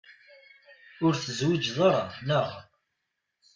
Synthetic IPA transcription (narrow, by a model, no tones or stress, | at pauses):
ʊɾθəzwid͡ʒðˤəɾˤɑnəʁ